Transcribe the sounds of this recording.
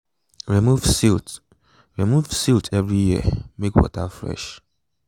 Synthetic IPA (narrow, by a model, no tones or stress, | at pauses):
ɹimuvsit | ɹimuvsiltʰɛvɹijiə̰mekwɔ̰tafɹɛ̰ʃ